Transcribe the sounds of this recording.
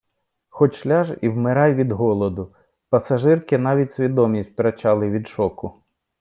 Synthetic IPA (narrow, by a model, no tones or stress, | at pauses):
xɔt͡ʃʃlʲɑʒiwmɪɾɑjʋʲid̪ɦɔlˠɔd̪ʊ | pɐsɐʒɪrkɪnɑʋʲitʲsʲʋʲid̪ɔmʲisʲt̚ʲp̪ɾʲɐt͡ʃɑlˠɪʋʲid̪ʃɔkʊ